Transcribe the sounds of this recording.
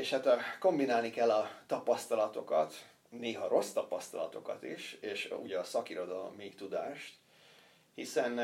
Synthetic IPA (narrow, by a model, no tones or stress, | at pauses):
eːʃhat̪ko̞mbinaːlnikɛlːɒt̪ɒpɒst̪ɒlɒt̪o̞kɒt̪ | neːɦɒɾo̞st̪ɒpɒst̪ɒlɒt̪o̞kɒ̰t̪ḭʃeːʃṵɟɒsɒkiɾo̞d̪ɒlo̞̰mːit̪ud̪aːʃt̪ | hisɛn